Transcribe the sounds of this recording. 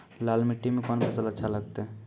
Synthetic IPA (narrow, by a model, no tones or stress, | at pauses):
lalmɪʈːimekɔnpʰəsələtːʃʰaləɡ̚t̪e